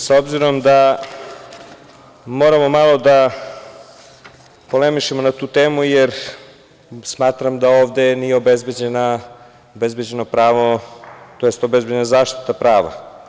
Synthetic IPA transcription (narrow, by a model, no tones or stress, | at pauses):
saobziɾo̞md̪a | mo̞ɾamo̞malˠo̞d̪a | polemiʃemonat̪uːt̪e̞ːmujeɾ | smaːt̪ɾamd̪aoːʋd̪e̞nijeobezbed͡ʑena | obe̞zbe̞d͡ʑe̞nopɾaːʋot̪ojest̪obe̞zbed͡ʑenazaːʃt̪i̥t̪apɾaːʋa̰